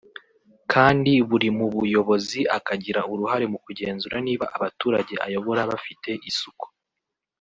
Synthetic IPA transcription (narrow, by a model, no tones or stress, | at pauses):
kʰaːndiβuɾimuβujo̞βo̞ziʔakaɟiɾauɾuhaɾe̞mukuɟe̞ːnzuɾaniːβaʔaβatuːɾaɟe̞ʔa̰jo̞βo̞ɾaβafitʰe̞ʔisuku̥